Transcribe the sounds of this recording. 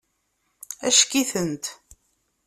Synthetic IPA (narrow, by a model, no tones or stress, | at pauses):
æʃkiθənt̪